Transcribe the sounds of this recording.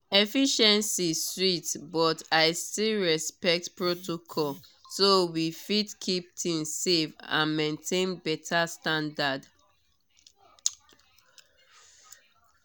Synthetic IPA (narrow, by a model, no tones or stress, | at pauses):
ɛfiʃɛ̃nsiswitbɔtaɪstilɹɛspɛk̚tpɹotokʰɔlsowifitkʰip̚tʰĩŋssefã̰nmẽntʰẽnbɛtʰastãndad